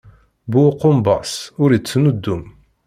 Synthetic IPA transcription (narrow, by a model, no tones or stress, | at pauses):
buqʊmbɑsʊɾət͡sːnud̪ːum